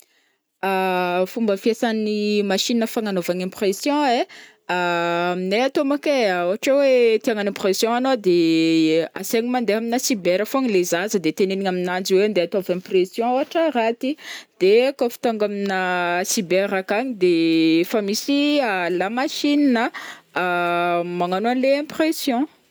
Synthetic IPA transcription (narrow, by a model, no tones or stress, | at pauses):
afumbəfiesanimaʃininəfaŋanovaɲɛ̃presjɔ̃e | amineat̪omakeoaʈ͡ʂewet̪iaŋanɛ̃presjɔ̃anod̪e | a̰seɲimand̪eaminəsibeɾəfoɲilezazəd̪et̪eneniŋaminand͡ziweand̪eat̪avɛ̃presjɔ̃oaʈ͡ʂəɾat̪id̪̥ekofi̥t̪oŋɡaminəsibeɾakaɲid̪efamisialamaʃininə | maŋanoanleɛ̃presjɔ̃